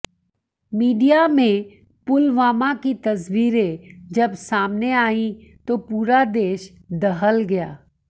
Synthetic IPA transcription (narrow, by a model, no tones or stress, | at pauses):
miːɖijamẽ | pʊlʋaːmakit̪ɐs̬wiːɾed͡ʒɐbsaːmneaːĩt̪opuːɾad̪eːʃ | d̪ɐɦəlɡɐjaː